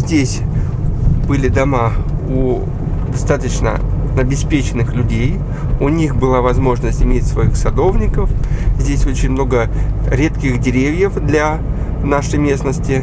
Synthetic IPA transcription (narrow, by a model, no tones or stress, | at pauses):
zʲdʲesʲ | bɨlʲɪd̪ɐmau | d̪ɐst̪at̪ət͡ɕnə̰nɐbʲɪspʲet͡ɕɪnːɨxlʲʉdʲej | unʲixbɨlˠavɐzmo̞ʐnəsʲtʲɪmʲetʲsvɐixsɐd̪o̞vnʲɪkəfzʲdʲesʲot͡ɕɪnʲmno̞ɡəɾʲe̞t̪kʲɪxdʲɪɾʲevʲjəfd̪lʲa | naʂəjmʲe̞snəsʲtʲɪ